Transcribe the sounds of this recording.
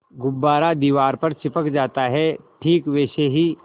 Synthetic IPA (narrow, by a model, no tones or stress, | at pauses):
ɡʊbːaːɾad̪iːʋaːɾpɐɾt͡ʃɪpəkd͡ʒaːt̪aɦɛʈʰiːkʋɛːʃeɦi